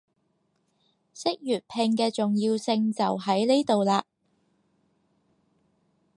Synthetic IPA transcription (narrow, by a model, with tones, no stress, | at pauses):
sɪ˥k̚jyː˨˩t̚pʰɪ˧ŋkɛː˧t͡sʊ˨ŋjiː˧wsɪ˧ŋt͡sɐ˨wɦɐ˨˥jne˥jt̪o˨wlaː˧